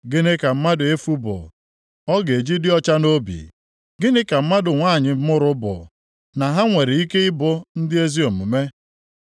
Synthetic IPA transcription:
ɡɪ˦nɪ˦ka˨m̩˦ma˦dʊ˨e˦fu˦bʊ̰˨ | ɔ˦ɡe˨d͡ʒi˦dɪ˦ɔ˦t͡ʃa˦no˦bḭ˨ | ɡɪ˦nɪ˦ka˨m̩˦ma˦dʊ˨ŋʷa˦˨ɲɪ˨m̩˦mʊ˦ɾʊ˦bʊ̰˨ | na˨ɦa˦ŋʷe˨ɾɪ˨i˦ke˦ɪ˦bʊ˦n̩˦dɪ˦e˦zi˦o˨mu˨me˦

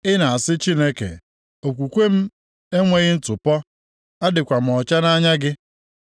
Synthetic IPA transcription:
ɪ˦na˨a˨sɪ˦t͡ʃi˦ne˦kḛ˨ | o˨kʷu˨kʷe˦m̩˦ | e˦ŋʷe˦ɣɪ˦n̩˦tʊ˨pɔ˦ | a˦dɪ˨kʷa˨m̩˨ɔ˨t͡ʃa˦na˦ɲa˦ɡɪ˦

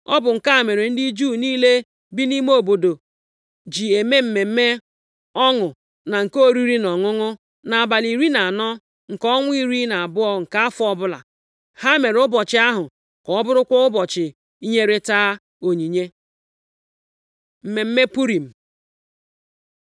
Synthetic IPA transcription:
ɔ˦bʊ˨ŋ̩˨ka˦a˨me˨ɾe˨n̩˦di˦d͡ʒu˦˨niː˦le˦ | bi˦ni˦m˦o˨bo˨do˨ | d͡ʒi˨e˨me˦m̩˨me˨m̩˦me˦ | ɔ˦ŋʊ˨ | na˨ŋ̩˨ko˦˨ɾi˦ɾi˦nɔ˨ŋʊ˦ŋʊ˦ | na˨a˨ba˨li˨ɾi˦na˨a˨nɔ˦ | ŋ̩˨kɔ˦ŋʷʊ˦i˦ɾi˦na˨a˨bʊ˦ɔ˦ŋ̩˨ka˦a˦fʊ˦ɔ˦bʊ˦la̰˨ | ha˦me˨ɾʊ˦bɔ˨t͡ʃɪ˨˦a˦ɦʊ˨ | kɔ˨ɔ˦bʊ˦ɾʊ˦kʷɔ˦ʊ˦bɔ˨t͡ʃɪ˨ | i˦ɲe˦ɾe˦taː˦ | o˨ɲi˨ɲe˦ | m̩˨me˨m̩˦me˦pu˦ɾi˨m̩˨

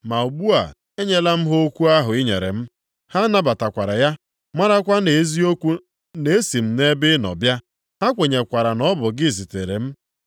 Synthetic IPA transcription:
ma˨u˨ɡ͡bu˦a̰˨ | e˦ɲe˦la˦m̩˦ɦo˦kʷu˦a˦ɦʊ˨ɪ˦ɲe˨ɾḛ˨m̩˦ | ha˦na˦ba˨ta˨kʷa˨ɾa˨ja˦ | ma˦ɾa˦kʷa˦ne˨˦zi˦o˦kʷu˦ | ne˨e˦si˨m̩˦ne˦bɪ˦nɔ̰˨bja˦ | ha˦kʷe˨ɲe˨kʷa˨ɾa˨nɔ˦bʊ˨ɡɪ˦˨zi˨te˨ɾḛ˨m̩˦

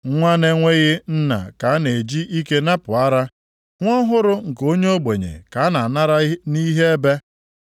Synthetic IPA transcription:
ŋʷa˦ne˦ŋʷe˦ɣɪ˦n̩˦na̰˨ka˨˦ne˨d͡ʒi˦ʔi˦ke˦na˦pʊ˨a˦ɾa˦ | ŋʷ˦ɔ˦ɦʊ˦ɾʊ˦ŋ̩˨ko˦ɲe˦o˦ɡ͡be˨ɲḛ˨ka˨a˦na˨na˦ɾa˦ni˦ɦe˦e˦be˦

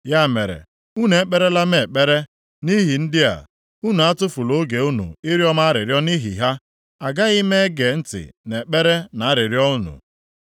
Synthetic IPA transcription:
ja˦˨me˨ɾḛ˨ | u˦ne˨˦k͡pe˦ɾe˦la˦me˨k͡pe˦ɾe˦ | ni˦ɦi˨n̩˦dɪ˦a̰˨ | u˦nu˨a˦tʊ˦fu˨lo˦ɡe˨u˦nṵ˨ɪ˦ɾjɔ˦ma˦ɾɪ̰˨ɾjɔ˦ni˦ɦḭ˨ɦa˦ | a˨ɡa˦ɣɪ˦me˦ɡe˨n̩˦tɪ̰˨ne˨k͡pe˦ɾe˦na˨˦a˦ɾɪ˨ɾjɔ˦u˦nṵ˨

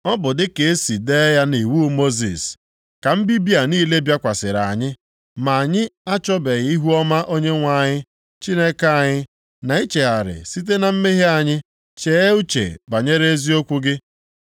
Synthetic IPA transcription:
ɔ˦bʊ˨dɪ˦ke˨e˦si˨de˦ja˦ne˨wu˦mo˦zḭ˨s | ka˨m̩˦bi˦bi˦a˨niː˦le˦bja˦kʷa˨sɪ˨ɾa˨ɲɪ˦ | ma˨a˨ɲɪ˦a˦t͡ʃɔ˦be˨ɣi˦ɦu˦ɔ˦ma˦ʔo˦ɲe˦ŋʷa˨˦˨ɲɪ˦ | t͡ʃi˦ne˦ka˦a˨ɲɪ˦ | na˨i˦t͡ʃe˨a˨ɾɪ̰˨si˦t̬e˦na˨m̩˦me˦ɦe˦a˨ɲɪ˦ | t͡ʃe˨˦e˦u˦t͡ʃḛ˨ba˨ɲe˦ɾe˦e˦zi˦o˦kʷu˦ɡɪ˦

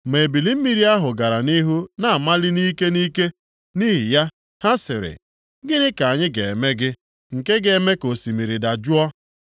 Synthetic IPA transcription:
me˨bi˨li˦m̩˦mi˦ɾi˦a˦ɦʊ˨ɡa˨ɾa˨ni˦ɦu˦na˨a˨ma˦lɪ˦ni˦ke˦ni˦ke˦ | ni˦ɦi˨ja˦ | ha˦sɪ˨ɾɪ̰˨ | ɡɪ˦nɪ˦ka˨ɲɪ˦ɡe˨me˦ɡɪ˦ | ŋ̩˨ke˦ɡe˨me˦ko˨si˨mi˨ɾi˨da˨d͡ʒu˦ɔ˦

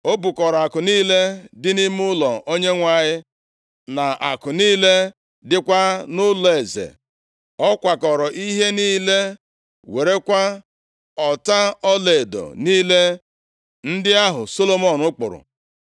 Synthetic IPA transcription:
o˦bu˨kɔ˨ɾɔ˨a˨kʊ˨niː˦le˦dɪ˦ni˦mʊ˦lɔ˨ʔo˦ɲe˦ŋʷa˦˨ɲɪ˦ | na˨a̰˨kʊ˨niː˦le˦ | dɪ˦kʷa˦nʊ˦le˨zḛ˨ | ɔ˦kʷa˨kɔ˨ɾɔ˨ʔi˦ɦe˦niː˦le˦ | we˨ɾe˦kʷa˦ | ɔ˨ta˦ɔ˦le˨do̰˨niː˦le˦ | n̩˦dɪ˦a˦ɦʊ˨so˦lo˦mɔ˦˨nʊ˦k͡pʊ˨ɾʊ̰˨

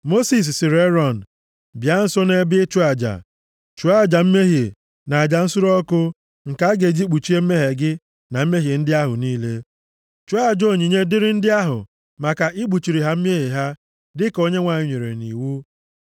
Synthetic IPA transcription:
mo˦si˨s̬sɪ˨ɾe˦ɾɔ˦˨n̩˨ | bja˦n̩˦sɔ˦ne˦bɪ˦t͡ʃu˦a˨d͡ʒa̰˨ | t͡ʃu˨˦a˦˨d͡ʒa˨m̩˦me˦ɦe˨ | na˨a˨d͡ʒa˨n̩˦sʊ˦ɾɔ˦kʊ˦ | ŋ̩˨ka˦ɡe˨d͡ʒi˦k͡pu˨t͡ʃi˦e˦m̩˦me˦ɦe˨ɡɪ˦ | na˨m̩˦me˦ɦe˨n̩˦dɪ˦a˦ɦʊ̰˨niː˦le˦ | t͡ʃu˨˦a˦˨d͡ʒo˦˨ɲi˨ɲe˦dɪ˦ɾɪ˦n̩˦dɪ˦a˦ɦʊ̰˨ | ma˨ka˨ʔɪ˦ɡ͡bu˨t͡ʃi˨ɾi˨ɦa˦m̩˦me˦ɦi˨ɦa˦ | dɪ˦ko˦ɲe˦ŋʷa˨ɲɪ˨ɲʷe˨ɾḛ˨nḭ˨wu˦

